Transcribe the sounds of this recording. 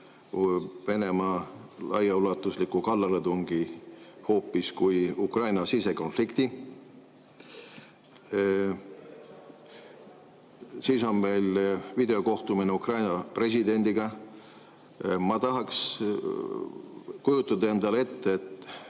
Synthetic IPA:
ve̞ne̞mɑːlɑ̰jɑulɑt̪ːˑuslikːˑukɑlːɑɾet̪uŋɡ̥iho̞ːpːˑiskujukrɑjnɑsise̞ko̞nflikt̪i | siːso̞nme̞jlvid̪e̞o̞ko̞ht̪umineukrɑjnɑpre̞s̬ʲid̪e̞nʲd̪̥iɡ̥ɑ | mɑt̪ɑɦɑks | kujut̪ːˑɑd̪ɑe̞nd̪ɑlee̞t̪ːeet̪ː

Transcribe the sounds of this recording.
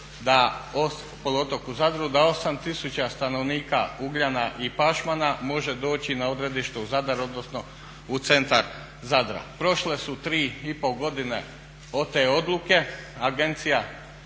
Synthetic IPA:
d̪ao | polot̪okuzad̪ɾud̪ao̞samt̪isut͡ɕast̪ano̞ʋniːka̰uɡʎanaʔipaʃmanamo̞ʒed̪o̞ːt͡ɕinao̞d̪ɾe̞d̪iʃt̪euzad̪aɾo̞d̪nosno̞ | ut̪se̞nt̪aɾ | zad̪ɾa̰pɾo̞ʃle̞sut̪ɾiːipo̞ɡo̞d̪ine̞̰ | o̞t̪eːo̞d̪luke̞aɡe̞nt̪sija

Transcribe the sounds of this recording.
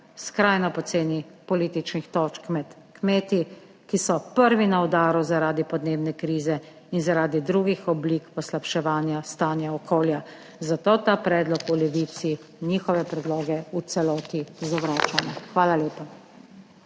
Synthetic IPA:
skɾajnɔpɔseːnipɔliːt̪it͡ʃnixt̪ɔːt͡ʃkmɛt̪ | kmeːt̪i | kisɔpəɾʋinaɔd̪aːɾuzaɾaːd̪ipɔd̪neːbnɛkɾiːzɛ | inzaɾaːd̪id̪ɾuɡixɔbliːkpɔslapʃɛʋaːnjast̪aːnjaɔkʰoːlja | zat̪oːt̪aːpɾɛːd̪lɔkɔlɛʋiːt̪si | niːxɔʋɛpɾɛd̪loːɡɛut̪sɛlɔːt̪izɔʋɾaːt͡ʃanɛxʋaːlaleːpa

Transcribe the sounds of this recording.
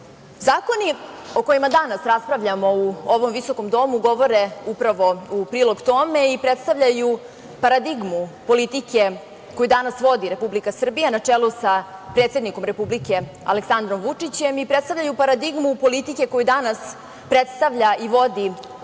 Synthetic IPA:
zaːko̞nio̞ko̞jimad̪anasɾaspɾaʋʎamo̞uoʋo̞mʋiso̞ko̞md̪o̞muɡo̞ʋo̞ɾeupɾaʋo̞upɾiːlo̞ɡt̪o̞me̞ipɾet̪st̪aʋʎaju | paɾad̪iɡmupo̞lit̪ike | ko̞jud̪anasʋo̞d̪iɾe̞publikasr̩bijanat͡ʂelusapɾe̞ːt̪se̞d̪niko̞mɾe̞publike̞ | a̰leksand̪ɾo̞mʋut͡ʂit͡ɕe̞mipɾet̪st̪aʋʎajupaɾad̪iɡmupo̞lit̪ike̞ko̞jud̪anas | pɾet̪st̪aʋʎaʔiʋo̞d̪i

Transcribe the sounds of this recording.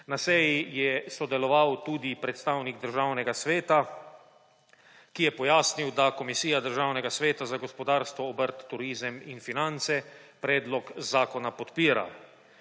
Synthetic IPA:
nasɛjijɛsɔd̪ɛlɔʋawt̪uːd̪ipɾɛt̪st̪awniɡ̚d̪əɾʒawnɛɡasʋeːt̪a | kijɛpɔjaːsniwd̪akɔmisiːjad̪əɾʒawnɛɡasʋeːt̪azaɡɔspɔd̪aːɾst̪ʋɔːbəɾt̪ːuɾiːzəminfinant̪sɛpɾɛːd̪lɔkzaːkɔnapɔt̪piːɾa̰

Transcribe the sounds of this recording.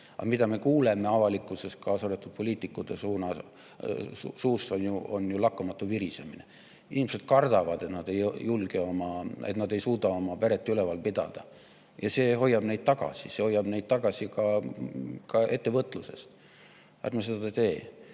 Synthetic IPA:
ɑ̰mid̪̥ɑme̞kuːle̞me̞ɑvɑlikːˑuse̞st̪̚kɑsod̪et̪ːˑud̪̥̚po̞lʲiːt̪ːˑikːˑud̪̥esuːnɑ | suːst̪onjuʔonjulɑkːumɑt̪ːuviɾise̞mine̞ | inimese̞d̪̥̚kɑrd̪̥ɑvɑd̪e̞t̪nɑd̪̥e̞jjːulɡ̥e̞o̞mɑḛt̪nɑd̪e̞jsuːd̪ɑo̞mɑpeɾet̪ːˑylevɑlpid̪̥ɑ̰d̪̥ɑ̰ | jɑse̞ːɦo̞jːɑb̥ne̞jd̪̚t̪ɑɡ̥ɑ̰siseho̞jːɑb̥ne̞jd̪̥̚t̪ɑɡ̥ɑsikɑ | kɑe̞t̪ːe̞vɤt̪ːˑluse̞̰st̪ | ɑ̰t̪mɑsed̪ɑɑt̪e̞ː

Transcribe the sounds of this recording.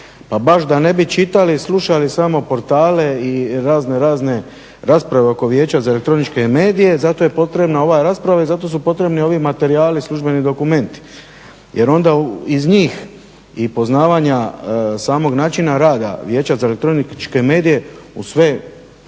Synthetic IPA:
pabaʃd̪ane̞bit͡ʃit̪alisluʃalisamo̞po̞ɾt̪aːle̞iɾaːzne̞ɾaːzne̞ | ɾaːspɾaʋe̞o̞ko̞ʋje̞ːt͡ɕazaelekt̪ɾo̞nit͡ʃke̞me̞ːd̪ije̞zat̪o̞je̞po̞t̪ɾe̞bnao̞ʋaɾaːspɾaʋaizat̪o̞s̬upo̞t̪ɾe̞bnio̞ʋimat̪e̞ɾijaːlisluʒbe̞nid̪o̞kume̞nt̪i̥ | jʔe̞ɾo̞nd̪auizɲiːx | ipo̞znaːʋaɲasaːmo̞ɡnaːt͡ʃinaɾaːd̪a̰ʋjeːt͡ɕazaelekt̪ɾonit͡ʃke̞me̞ːd̪ije̞usʋe̞

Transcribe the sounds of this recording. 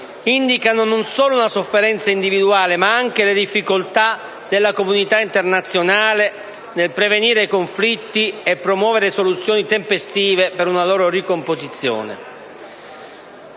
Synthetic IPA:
ind̪ikanononsoːlounasofːeɾɛnt̪saind̪ivid̪uaːlemaaŋk̟eled̪ifːikolt̪a | d̪elːakomunit̪aint̪ernat̪sːjonaːle | nelpɾeveniːɾeikoɱflit̪ːiepːɾomwɔːveɾesolut̪sːjoːnit̪empest̪iːvepeɾunaloːɾoɾikompozit̪sːjo̰ːnḛ

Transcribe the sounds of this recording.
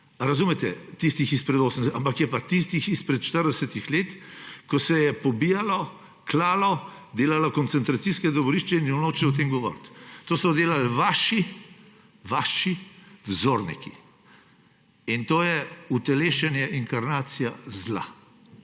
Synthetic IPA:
ɾazuːmɛt̪ɛt̪ist̪ixispɾɛd̪oːsənampakjɛpat̪ist̪ixispɾɛt̪ʃt̪əɾd̪ɛsɛt̪ixleːt̪kɔsɛjɛpɔbijalɔ | klaːlɔ | d̪eːlalɔkɔnt̪sɛnt̪ɾat̪siskɛd̪ɔʋɔɾiʃt͡ʃɛinjɛwnoːt͡ʃɛwt̪eːmɡɔʋɔ̰ːɾt̪t̪oːsɔd̪eːlalʋaːʃi | ʋaːʃiwzoːɾnḭkḭ | int̪oːjɛut̪ɛleːʃɛnjɛʔiŋkaɾnaːt̪sijazla̰

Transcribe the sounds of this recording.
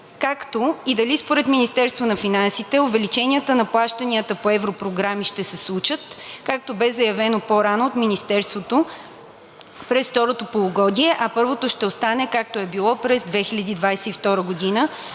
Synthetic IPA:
kakt̪oid̪ɐlispoɾɛt̪minist̪ɛɾst̪vonɐfinansit̪ɛovɛlit͡ʃɛniət̪ənɐplˠaʃt̪əniət̪əpoɛvɾopɾoɡɾamiʃt̪ɛsɛslˠut͡ʃət̪kak̚t̪obɛzɐjɐvɛnopoɾanoːt̪minist̪ɛɾst̪vot̪o | pɾɛsft̪ɔɾot̪opolˠoɡɔd̪ʲiɛʔɐpɤɾvot̪oʃt̪ɛost̪anɛkak̚t̪oɛbilˠɔpɾɛzd̪vɛxilʲɐd̪id̪vajsɛift̪ɔɾəɡod̪inə

